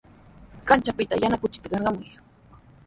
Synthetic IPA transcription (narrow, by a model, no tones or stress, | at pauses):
kant͡ʃapɪt̪ajanakʊt͡ʃɪ̥t̪kɑɾɢɑmʊj